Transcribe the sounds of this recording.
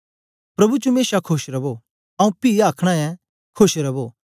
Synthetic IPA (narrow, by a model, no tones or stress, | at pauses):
pɾɐbut͡ʃomeːsakʰʊʃɾɐbo | ɐũpiːaːkʰɽ̃ãɛ̃ | kʰoʃɾɐbo